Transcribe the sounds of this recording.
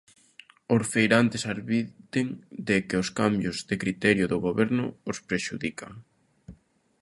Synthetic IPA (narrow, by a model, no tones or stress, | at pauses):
oɾfejɾant̪esaɾβit̪eŋd̪ɪkeoskambjʊzðekɾit̪ɛɾjʊðʊɣoβɛɾnʊospɾeʃuðikaŋ